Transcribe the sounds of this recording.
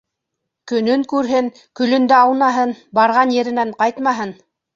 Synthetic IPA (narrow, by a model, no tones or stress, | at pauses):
kɵ̆nɵŋkʉɾɦɘŋ | kɵ̆lɵ̆nd̪æɑwnɑɦɤnbɑɾʁɑnjɘ̆ɾɘ̆næɴqɑjt̪mɑɦɤn